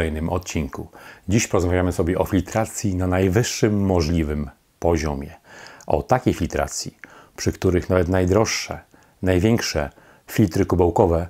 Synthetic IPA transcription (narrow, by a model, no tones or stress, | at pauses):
ɛjnɘmʔɔt̪̚t͡ɕiŋkud͡ʑiɕpɔɾɔzmavʲjamɘsɔbʲjɛʔɔfʲilt̪ɾat̪sʲjinanajvɘʂːɘmːɔʐlʲivɘm | pɔʑɔmʲjɛʔɔ̰t̪akʲejfʲilt̪ɾa̰t̪sʲjḭpʂɘkt̪uɾɘxnavɛt̪najd̪ɾɔʂːɛ̰ | najvʲjɛŋkʂɛ̰ | fʲilt̪ɾɘkubawkɔvɛ